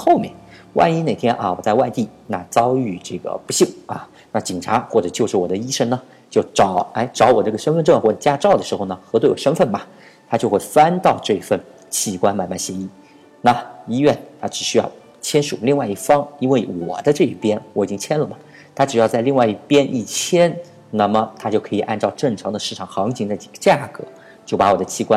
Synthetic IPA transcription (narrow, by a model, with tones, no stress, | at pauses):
xo˥˩˧ʊmjɛ̰˥˩n | wʔa̰˥˧ni˥ne˨˩ɪt̪ʰjɛ˥nʔa̰˧wɔ˨˩t͡sa˥˧ɪwa˥˧ɪt̪i˥˩na̰˥˩t͡sɑ˥ʊy˥˩ʈ͡ʂɤ˥˩ɡə̰˩pu˧˥ɕi˥˩ŋɐ̰˩ | na˥˩t͡ɕi˨˩ŋʈ͡ʂʰa˧˥xwɔ˥˩ʈ͡ʂɤ˨˩t͡ɕjo˥˧ʊʂɻ̩˥˩wɔ˨˩d̪ə˦i˥ʂə˥ŋnə˨ | t͡ɕjo˥˩ʊʈ͡ʂɑ˨˧˥ʊe˥ɪʈ͡ʂɑ˧˥ʊwɔ˨˩ə˥˩ɡə˩ʂə˥nfə˥˧nʈ͡ʂɤ˥˧ŋxwɔ˥˩ʈ͡ʂt͡ɕja˥ʈ͡ʂɑ˥˩ʊə˩ʂɻ̩˧˥xo˥˧ʊnə˩xɤ˧˥t̪we˥˩ɪwɔ̰˨˩ʂə˥nfə˥˩nmɐ˨˩ | t̪ʰa˥t͡ɕjo˥˧ʊxwe˥˩ɪfa˥nt̪ɑ˥˧ʊʈ͡ʂɤ˥˧i˥fə˥˩n | t͡ɕʰi˧˥kwa˥nma˨˩nma˥˩nɕjɛ˧˥i˥˩ | na˥˩i˥ɥɛ˥˩nt̪ʰa˥ʈ͡ʂɻ̩˨˩ɕy˥jɑ˥˩ʊ | t͡ɕʰjɛ˥nʂṵ˨˩li˥˧ŋwa˥˧ɪi˥˩fɑ˥ŋi˥nwe˥˩ɪwɔ̰˨˩t͡sa˥˧ʈ͡ʂɤ˥˧i˥˩pjɛ˥nwɔ˧˥˩i˨˩t͡ɕi˥ŋt͡ɕʰjɛ˥nlə˨mɐ˩ | t̪ʰa˥ʈ͡ʂɻ̩˨˩jɑ˥˧ʊt͡sa˧li˥˧ŋwa˥˧ɪi˥˩pjɛ˥nʔi˥˩t͡ɕʰjɛ˥n | na˥˩mə˩t̪ʰa˥t͡ɕjo˥˩ʊkʰɤ˧˥i˨˩ʔa˥˧nʈ͡ʂɑ˥˧ʊʈ͡ʂɤ˥˩ŋʈ͡ʂʰɑ˧˥ŋd̪ə˧ʂɻ̩˥˩ʈ͡ʂʰɑ˨˩ŋxɑ˧˥ŋt͡ɕʰi˧˥ŋt͡s̪a˥˩ɪt͡ɕi˨˩ɡə̥˧˦t͡ɕja˥˩kɤ̰˧˥ | t͡ɕjo˥˩ʊpa˧˥wɔ˨˩d̪ə˦t͡ɕʰi˥˩kwa˦n